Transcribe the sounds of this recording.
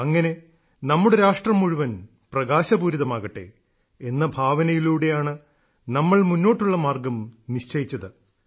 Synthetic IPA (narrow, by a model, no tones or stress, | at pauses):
ɐŋːɐne̞ | nɐmːuɽeɾaːʂʈrɐmːuɻuʋɐn | prɐɣaːɕɐbuːɾuðɐmaːɣɐʈːḛ | e̞nːɐbʱaːʋɐnɐjiluːɽe̞jaːɳɨ | nɐmːɐɭmunːo̞ːʈːuɭːɐmaːrɡɐmniɕt͡ɕɐjit͡ɕːɐðɨ